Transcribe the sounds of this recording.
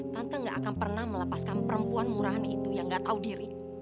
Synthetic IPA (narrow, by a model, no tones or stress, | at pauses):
t̪ant̪aŋɡaʔakanpərnahmələpaskanpəɾəmpuanmuɾaɦanit̪ujaŋɡaʔt̪audiɾi